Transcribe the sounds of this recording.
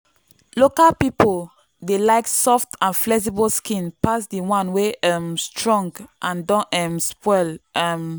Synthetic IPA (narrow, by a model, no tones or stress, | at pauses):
lokalpipol | delaɪksɔftãnflɛks̬ibəlskĩnpasdəwãnweʔɛmstʰɹɔ̃ŋɡʔãndɔ̃nɛ̃mspɔlɛm